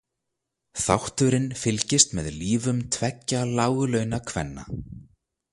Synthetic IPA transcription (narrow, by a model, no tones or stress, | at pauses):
θa̰wht̪ʏɾɪnfɪlcɪst̪mɛðliːvʏmt̪ʰvɛcːalaːwɣʏlœːɥnakʰvɛ̰nːa̰